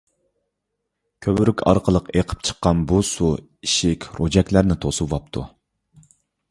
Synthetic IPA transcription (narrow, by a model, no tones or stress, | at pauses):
kʲʰøbɾykʲʰɑ̰ɾqʰəlˠəqeqʰə̥p̚t͡ʃʰə̥qːɑnbusu | iʃikʲɾod͡ʒɛkʲlæɾnɪt̪ʰosɨvɑp̚t̪ʰu